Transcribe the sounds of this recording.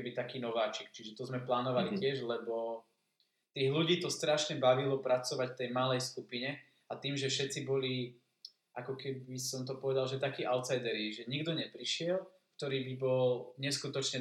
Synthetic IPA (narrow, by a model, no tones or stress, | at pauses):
bit̪akiːnɔʋaːt͡ʃikt͡ʃiʒɛt̪ɔzmɛplaːnɔʋalicɪɛʒlɛbɔ | t̪iːɣluɟiːt̪ɔst̪ɾaʃɲɛbaʋilɔpɾat͡sɔʋacft̪ɛjmalɛjskupiɲɛ | at̪iːmʒɛfʃɛt̪t͡sibɔli | ʔakɔkɛbisɔmt̪ɔpɔʋɛd̪alʒɛt̪akiːʔaʊt̪t͡sajd̪ɛɾiʒɛɲiɡd̪ɔɲɛpɾiʃɪɛl | kt̪ɔɾiːbibɔlɲɛskut̪ɔt͡ʃɲɛ